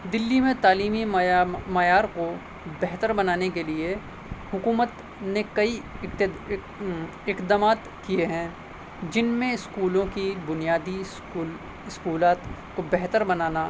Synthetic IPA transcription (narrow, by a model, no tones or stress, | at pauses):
d̪ɪlːimẽt̪aːliːmimɐjaːɾko | bɛɦt̪əɾbɐnaːnekelie | hʊkuːmət̪ | nekɐi | ɪkd̪amaːt̪ | kieɦɛ̃ | d͡ʒɪnmẽɪskuːlõkibʊnijaːd̪i | l | ɪskuːlaːt̪ | kobɛɦt̪əɾbɐnaːna